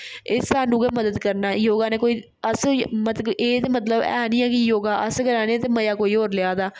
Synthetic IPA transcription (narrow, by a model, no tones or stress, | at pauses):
ɪsaːnũːkeːməd̪əd̪kəɾnaːjoːɡaːneːkoːiː | əsmət̪eːt̪emət̪ləbɛ̰ːnĩːɛːkɪjoːɡaːʔəskəɾaːnẽːt̪eːməjaːkoːiːɦoːɾlɪjaːd̪aː